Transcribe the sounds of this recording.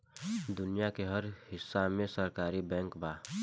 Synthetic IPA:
d̪ʊnijakeɦəɾhɪsːamẽsəɾkaːɾibɛ̃ːŋkbaː

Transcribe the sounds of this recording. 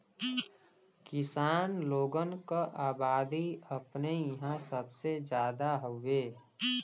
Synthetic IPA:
kɪsaːnloːɡənkaʔaːbaːd̪iəpnejəɦãsəbsed͡ʒjaːd̪aɦoeː

